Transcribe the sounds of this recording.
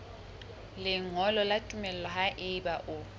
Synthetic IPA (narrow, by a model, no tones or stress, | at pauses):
lɪŋɔlɔlatʼumɛl̩ɛlɔɦaʔɪbaʔʊ